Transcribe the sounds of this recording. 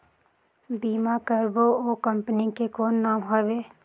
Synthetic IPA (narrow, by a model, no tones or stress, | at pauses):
biːmakəɾbooːkəmpnikekoːnːaːmɦabeː